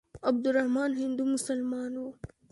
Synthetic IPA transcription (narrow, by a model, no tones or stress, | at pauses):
ɐb̚d̪ʊɾɐhmɑːnɦɪnd̪umʊsɐlmɑːno